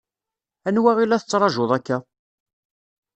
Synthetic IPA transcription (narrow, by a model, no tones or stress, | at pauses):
ænwæʁilːæθət͡sːɾˤɑʒʊðˤækːæ